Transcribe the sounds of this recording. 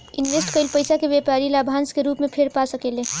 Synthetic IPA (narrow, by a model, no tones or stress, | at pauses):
inɾesʈkəɪlpəjsakebepaɾilabʱanskeɾupmepʰeɾpasəkele